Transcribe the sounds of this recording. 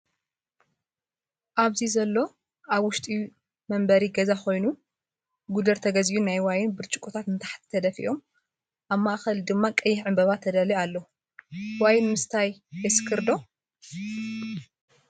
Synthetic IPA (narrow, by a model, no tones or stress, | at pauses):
ʔaβzizɐlːo̞ | ʔaβwʊʃt̪ʼi | mɐmbɐɾiɡɐzaxo̞jnu | ɡud̪ɐɾt̪ʰɐɡɐziʔunajwajɪnbɨɾt͡ʃʼu̥kʼut̪ʰat̪ɨnt̪ʰḁħt̪ʰt̪ʰːɐd̪ɐfḭʔo̞m | ʔaβmaʔxɐld̪ɨmːakʼɐjːɪhʕɨmbɐβat̪ʰːɐd̪ɐlialːɐu | wajɪnmɨst̪ʰajbɐsɨ̥kʰɨɾd̪o̞